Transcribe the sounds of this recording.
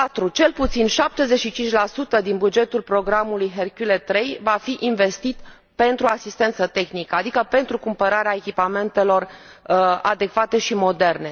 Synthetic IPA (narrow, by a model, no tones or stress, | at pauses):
pat̪ɾut͡ʃe̞lput̪sinʃap̚t̪e̞ze̞t͡ʃʃit͡ʃint͡ʃʲlasut̪əd̪inbud͡ʒe̞t̪ulpɾo̞ɡɾamulujɦerkulet̪ːɾe̞jvafiʔinve̞st̪it̪ | pe̞nt̪ɾuasist̪e̞nt̪sət̪e̞xnikəad̪ikəpe̞nt̪ɾukumpəɾaɾeae̞kʲipame̞nt̪e̞lo̞r | a̰d̪e̞kvat̪e̞ʃimo̞d̪e̞rne̞